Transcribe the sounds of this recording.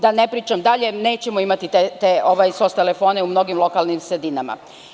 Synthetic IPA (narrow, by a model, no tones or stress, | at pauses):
d̪anepɾiːt͡ʃamd̪aʎe̞ne̞ːt͡ɕemoimat̪it̪et̪eoʋajso̞st̪e̞lefo̞ːneumno̞ɡimlˠo̞kalˠnimsɾed̪inama̰